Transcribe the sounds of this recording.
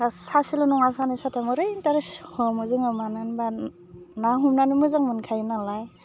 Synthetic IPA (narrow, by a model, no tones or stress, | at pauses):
asasilɯnɔŋasanisatʰamɯɾɯntaɾeshɔmuzɯŋɯmanɯnba | naɦumnanimuzaŋmɯnkʰajnalaj